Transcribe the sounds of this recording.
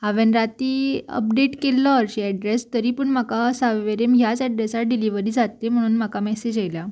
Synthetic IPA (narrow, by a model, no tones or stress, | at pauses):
ɦaʋenɾat̪iːə̰p̚ɖeʈkelːəɾɕeɛɖɾest̪əɾiːpəɳm̤akasaʋeɾemɦjat͡sɛɖɾesaɾ̚ɖiliʋəɾiːd͡zat̪ːem̤əɽ̃uːnm̤akamɛsed͡ʑajlja